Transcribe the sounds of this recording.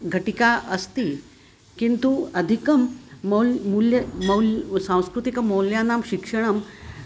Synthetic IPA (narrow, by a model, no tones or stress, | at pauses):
ɡʱəʈikaʔəst̪i | kint̪uəd̪ʱikəmːəlmuljəmɐwlsãw̃skɾut̪ikməwljanamɕikʂəɳ̃əm